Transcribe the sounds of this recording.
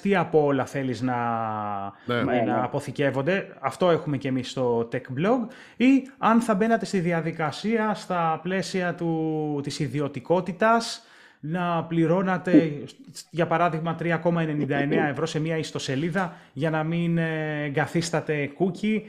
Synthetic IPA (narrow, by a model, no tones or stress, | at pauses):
t̪iɐpoolɐθe̞liznɐ | nɐːpo̞θice̞vo̞nd̪e̞ɐft̪o̞e̞xume̞ce̞misːt̪o̞t̪ekblo̞ɡ | iɐnθɐbe̞nɐt̪e̞st̪iðiɐðikɐsiɐst̪ɐple̞siɐt̪ut̪isiðio̞t̪iko̞t̪it̪ɐs | nɐpliɾo̞nɐt̪e̞ | ʝɐpɐɾɐðiɣmɐt̪ɾiɐko̞mɐe̞ne̞nind̪ɐe̞ne̞ɐevɾo̞se̞miɐist̪o̞se̞liðɐʝɐnɐminɡɐθist̪ɐt̪e̞kuci